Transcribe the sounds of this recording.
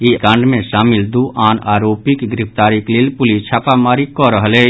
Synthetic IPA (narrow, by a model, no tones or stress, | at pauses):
ikãɳɖmẽʃaːmɪld̪uːʔaːnaːɾoːpɪkɡɾɪft̪aːɾɪklɪlpʊlit͡ʃʰaːpamaːɾikɔɾəɦleː